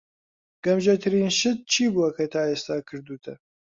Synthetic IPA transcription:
ɡ̥ɐmʒɐt̪ʰɨɾiːnʃɨd̪̚t͡ʃʰiːbuɐkɐt̪ʰaːeːst̪aːkʰɨɾd̪uːt̪ʰɐ̰

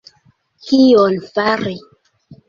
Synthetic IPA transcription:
kionfaɾi

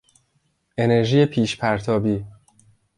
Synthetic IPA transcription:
e̞ne̞ɾʒiːjepʰiːʃpʰæɾt̪ʰɒːbiː

